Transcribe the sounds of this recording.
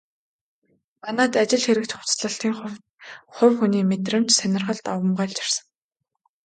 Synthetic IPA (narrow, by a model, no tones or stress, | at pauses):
manaːt̪at͡ɕɪ̆ɮxeɾɘ̆k̚t̪χʊ̥t͡sɮə̆ɬt̪iːŋχ | χʊ̟wxuniːmet̪̬rə̆mt͡ɕsænʲɪ̆rχə̆ɮt̪awə̆mɢaːɮt͡ɕḁr̥sə̆ŋ